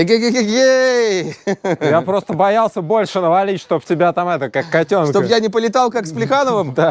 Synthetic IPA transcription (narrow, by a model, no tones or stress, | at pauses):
eɡʲeɡʲeɡʲeɡʲej | japɾo̞st̪əbɐjalˠsʲəbo̞lʲʂɨnəvɐlʲit͡ɕʲʂt̪o̞p̚tʲɪbʲat̪amɛt̪əkakːɐtʲo̞nʂkt̪oəjanʲɪpəlʲɪt̪alˠkaksplʲɪxanəvəmd̪a